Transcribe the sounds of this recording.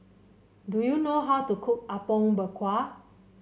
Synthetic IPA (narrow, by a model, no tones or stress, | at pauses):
dujunoɦaʊtukʰuk̚apɔ̃ŋbəkʰwa